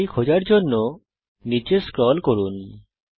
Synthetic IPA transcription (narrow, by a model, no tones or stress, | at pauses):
ikʰod͡ʒaɾd͡ʒonːo | nit͡ʃeskɾɔlkoɾun